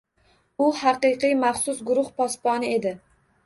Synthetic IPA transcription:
uhæqɨjqɨjmæχsʊsɡʊɾʊχpɑspɑnɪed̪ɪ

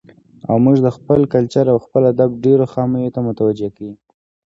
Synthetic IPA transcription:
a̰wmuʒd̪əxpəlkalt͡ʃaɾawxpəlad̪ab̚ɖeɾoxɑməjot̪amʊt̪awad͡ʒekawi

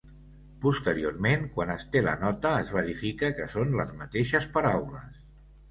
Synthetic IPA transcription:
pust̪əɾioɾmeŋkwanəst̪elə̰nɔt̪əːzβ̞əɾifikəkəsonləzmət̪eʃəspəɾawləs

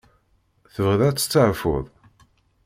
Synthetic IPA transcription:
θəvʁðæt͡sːə̥t͡sːəʕfʊ̰ðˤ

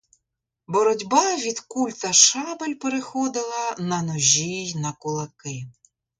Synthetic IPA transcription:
bɔɾɔdʲbɑʋʲid̪kulʲt̪ɐʃɑbelʲpeɾexɔd̪ɪlˠɐnɐnɔʒʲijnɐkʊlˠɐkɪ

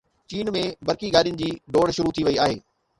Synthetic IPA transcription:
t͡ɕiːnmẽbɐɾkiɡaːɗiʊnɪ̆d͡ʑiːɖoːɽʃʊɾut̪ʰiʋɐiaːɦeː

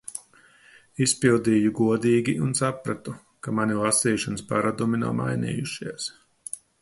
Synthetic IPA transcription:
ispilˠd̪iːjuɡuɔd̪iːɡʲiʔunsapɾat̪u | kamanilˠasiːʃanɨspaɾad̪umina̰wma̰jnḭːjuʃiɛs

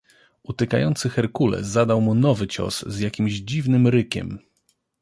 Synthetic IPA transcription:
ʔut̪ɛka̰jɔnt̪sɘxɛɾkulɛ̰zad̪awmunɔvɘt͡ɕɔ̰szjakʲimʑd͡ʑivnɘmɾɘkʲɛ̰m

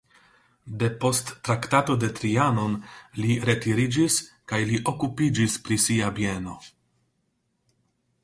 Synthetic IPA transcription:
de̞po̞stːɾaktato̞de̞t̪ɾiano̞nliɾe̞tiɾid͡ʒis | kajliʔo̞kupid͡ʒispɾisiabje̞no̞

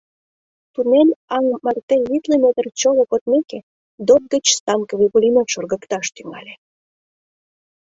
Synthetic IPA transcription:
t̪unenɑŋmɑrt̪enβit̪ləmet̪ərt͡ɕolokot̪meke | d̪ot̪̚ɡət͡ɕst̪ɑmkəβipulʲimet̪ʃorɣəkt̪ɑʃt̪yŋɑ̰lʲe

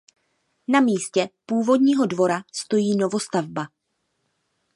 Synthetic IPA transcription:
namiːscɛpuːvo̞dɲiːɦo̞dvo̞ɾast̪o̞jiːno̞vo̞st̪avba

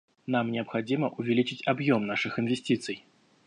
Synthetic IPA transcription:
namnʲɪəpxad͡zʲiməʔʊvʲɪlʲit͡ʃɪt͡sʲabjomnaʂɨxɨnvʲɪsʲtʲit̪sɨj

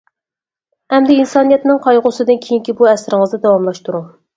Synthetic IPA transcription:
hɛmd̪ɪinsɑːnɨjɛt̪nɨŋqʰɑjʁʊsɨd̪ɨnkʲʰejiŋkʲibuɛsɾɪŋəzɨd̪ɛwɑmlˠɑʃt̪uɾuŋ

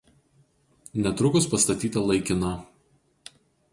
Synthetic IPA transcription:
nʲɛt̪ɾʊkʊspɐst̪ɐt̪ʲiːt̪ɐlˠɐɪkʲɪnɐ

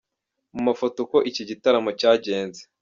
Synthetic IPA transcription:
mumafotoko̞ʔiciɟitaɾamocaːɟe̞ːnze

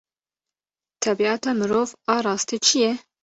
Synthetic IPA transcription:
t̪ʰɛbiɑːt̪ɑːmɨɾoːvɑːɾɑːst̪iːt͡ʃʰijɛ

